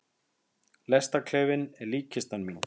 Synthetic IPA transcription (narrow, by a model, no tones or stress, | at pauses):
lɛst̪akʰlɛːvɪnɛɾliːcɪst̪anmiːn